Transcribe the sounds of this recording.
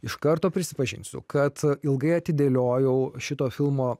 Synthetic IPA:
ɪʃkɐɾt̪oːpʲɾʲɪsʲɪpɐʒʲɪ̰nʲsʲʊ̰kɐt̪ɪlˠɡɐɪɐt̪ʲɪd̪ʲeːlʲoːjɛʊʃʲɪt̪oːfʲɪlˠmoː

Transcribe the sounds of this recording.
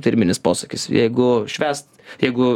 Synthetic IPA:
t̪ʲɪɾʲmʲɪnʲɪspoːsɐkʲɪsjɛ̰ɪɡʊʃʲʋʲæːst̪jɛɪɡʊ

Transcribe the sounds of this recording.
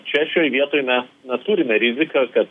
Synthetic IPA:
t͡ʃʲɛʃʲoːjʋʲiɛt̪oːjmʲɛsnʲɐt̪uːɾʲɪmʲɛɾʲɪzʲɪkɐkɐt̪

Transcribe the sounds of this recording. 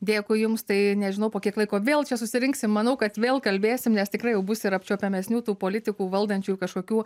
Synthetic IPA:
d̪ʲeːkʊɪjʊmst̪ɐɪnʲɛʒʲɪnɐʊpoːkʲiɛklˠɐɪkoːʋʲeːlˠt͡ʃʲɛsʊsʲɪɾʲɪŋksʲɪmmɐnɐʊkɐt̪ʋʲeːlˠkɐlʲbʲeːsʲɪmnʲɛstʲɪkɾɐɪjɛʊbʊsʲɪɾɐpʲt͡ʃʲoːpʲɛmʲɛsʲnʲuːt̪uːpoːlʲɪt̪ʲɪkuːʋɐlˠd̪ɐnʲt͡ʃʲuukɐʃkoːkʲuː

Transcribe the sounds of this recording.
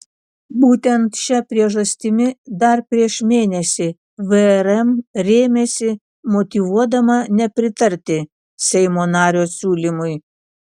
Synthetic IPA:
buːt̪ʲɛnt̪ʃʲɛpʲɾʲiɛʒɐsʲt̪ʲɪmʲɪd̪ɐɾpʲɾʲiɛʃmʲeːnʲɛsʲɪ | ʋɛɛɾɛmɾʲeːmʲeːsʲɪ | mɔt̪ʲiʋuɔd̪ɐmɐnʲɛpʲɾʲɪt̪ɐɾʲt̪ʲɪ | sʲɛɪmoːnɑːɾʲoːsʲuːlʲɪmʊɪ

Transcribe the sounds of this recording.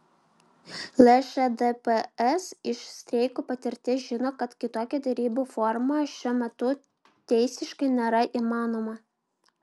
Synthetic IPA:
lʲˠɛʃɛd̪pɛɛsɪʃsʲt̪ʲɾʲɛɪkuːpɐt̪ʲɪɾʲt̪ʲɪʒʲɪnoːkɐt̪kʲɪt̪oːkʲɛd̪ʲɛɾʲiːbuːfɔɾmɐʃʲuɔmʲɛt̪ʊ | t̪ʲɛɪsʲɪʃkɐɪnʲeːɾɐʔiːmɑːnoːmɐ

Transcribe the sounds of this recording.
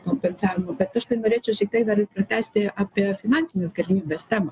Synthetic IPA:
komʲpʲɛnsɑːʋʲɪmɐbʲɛt̪ɐʃt̪ɐɪnoɾʲeːt͡ʃʲɛʊʃʲɪk̚t̪ɐɪk̚d̪ɐɾɨpɾɐt̪ʲæsʲt̪ʲɪapʲifʲɪnɑnʲtt͡sʲsʲɪnʲɛsɡɐɾʲimʲiːbʲɛsʲt̪ʲɛmɐ

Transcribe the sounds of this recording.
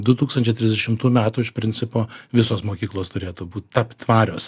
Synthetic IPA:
d̪ʊt̪uːkst̪ɐnʲt͡ʃʲɛɪt̪ʲɾʲɪzd̪ʲɛʃʲɪmt̪uːmʲæːt̪uːɪʃpʲɾʲɪnʲsʲɪpoːʋʲɪsoːsmoːkʲiːklˠoːst̪ʊɾʲeːt̪uːbuːt̪ʲt̪ɐpʲt̪ʋɑːɾʲoːs

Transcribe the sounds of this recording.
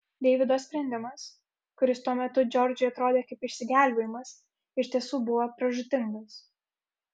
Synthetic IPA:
d̪ʲɛɪʋʲɪd̪oːsʲpʲɾʲɛnʲd̪ʲɪmɐs | kʊɾʲɪst̪uɔmʲɛt̪ʊd͡ʒʲɔɾʲd͡ʒʲʊjɐt̪ɾoːd̪ʲeːkɐɪpɪʃʲsʲɪɡʲæˑlʲbʲeːjɪmɐs | ɪʃʲt̪ʲiɛsuːbʊʋɐpɾɐʒʊt̪ʲɪŋɡɐs

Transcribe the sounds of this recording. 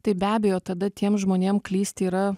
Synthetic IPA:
t̪ɐɪbʲæːbʲejoːt̪ɐd̪ɐt̪ʲʰiɛmʒmoːnʲeːmklʲiːsʲt̪ʲɪiːɾɐ

